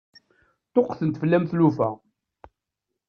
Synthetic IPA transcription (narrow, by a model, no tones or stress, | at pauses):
t̪oqːθənt̪fəlːæmθlufæ̰